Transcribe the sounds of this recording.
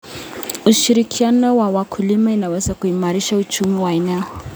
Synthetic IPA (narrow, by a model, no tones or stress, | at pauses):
uʃiɾikʰianɔwawakʰulimainawɛzakuimaɾiʃaut͡ʃumiwainaɔ